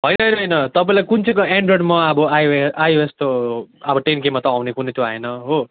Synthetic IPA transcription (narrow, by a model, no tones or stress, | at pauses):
ɦʌjnʌɦʌjnʌɦʌjnʌt̪ʌpaĩlajkunt͡sʰʌ̃koeɳɖroɖmaʌbʌajoest̪oʌbʌʈenkemːat̪ʌawnekunejt̪ʰõa̰enʌɦo